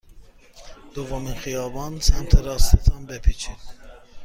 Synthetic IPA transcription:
d̪̥uvɔminxijɑbɑnsæmt̪ʰɛɾɑst̪ʰɛt̪ʰɑnbɛpʰit͡ʃʰin

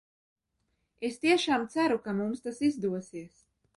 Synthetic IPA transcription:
est̪iɛʃaːmt̪sæɾukamumst̪asizd̪uɔsiəs

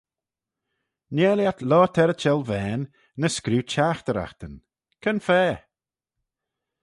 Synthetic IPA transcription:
nɛːljat̪lɔːt̪ʰɛɾət͡ʃɛlvɛːnː | əskɾuːt͡ʃʰaːxt̪əɾa̰xt̪ən | kʰənfɛː

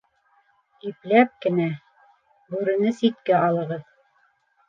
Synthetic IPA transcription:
iplæp̚kɘ̆næ | bʉɾɘ̆nɘsit̪kæɑlˠɤ̆ʁɤð

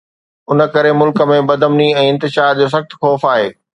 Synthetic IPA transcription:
ʊnə̆kɐɾemʊlkə̆mẽbɐd̪ʱəmniɛ̃ːɪ̃nt̪ɪʃaːɾd͡ʑoːs̬ɐxt̪̆xɔːfaːɦeː

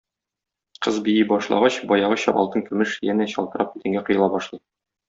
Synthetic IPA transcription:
qɤzbijibɒʃlˠɑ̰ʁɑɕbɒjɑʁɤɕɑ̰ʔɒ̰lˠt̪ɤnkɵ̆mɘʃjænæɕɒ̰lˠt̪ɤ̆ɾʔɑp̚ʉt̪ɘ̆ŋɡæqŏjɤ̆lˠɑbɒʃlˠɤj

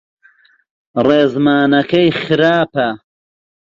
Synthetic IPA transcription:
reːzmaːnɐkɐjχxɨɾaːpɐ

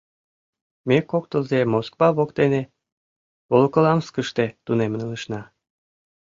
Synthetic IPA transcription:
mekok̚t̪əlzemoskβɑβokt̪ene | βolkəlɑmskəʃt̪et̪unemənələʃnɑ

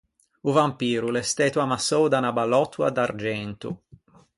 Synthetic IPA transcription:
uvampiːɾulɛst̪ɛːt̪uamasowd̪anabalɔt̪ʰːua̰d̪aɾd͡ʒɛnt̪ṵ

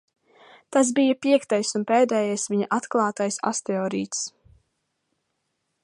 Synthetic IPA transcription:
t̪as̬bijɐpiɛkt̪ajsunpeːd̪ɛːjajsviɲaʔat̪klˠɑːt̪ajsa̰st̪ɛɔːɾḭːt̪s

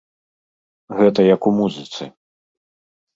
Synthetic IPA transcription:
ɣɛt̪ɐjɐkumuzɨt̪sɨ̰

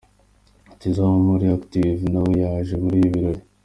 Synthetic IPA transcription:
tizamumuɾiaktivnawejaʒemuɾiːjiβiɾoɾi

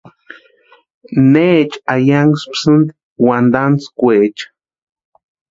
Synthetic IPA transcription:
neːt͡ʃajaŋɡspsɨnd̪ | wand̪ant͡skʷeːt͡ʃ

